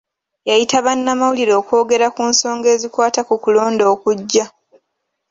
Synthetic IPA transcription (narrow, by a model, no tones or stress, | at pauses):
jajitaβanːamawuliɾo̞ːko̞ːɡe̞ɾakunso̞ːŋɡe̞ːzikwaːtakukulo̞ːndo̞ːkuɟːa